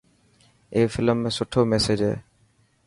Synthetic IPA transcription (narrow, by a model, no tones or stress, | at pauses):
efilmesoʈʰomɛsed͡ʒḛ